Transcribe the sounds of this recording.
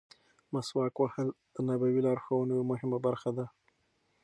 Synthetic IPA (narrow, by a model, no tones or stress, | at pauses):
maswɑkwahəld̪ənabawilɑɾxawanəjomʊhɪmabaɾxad̪a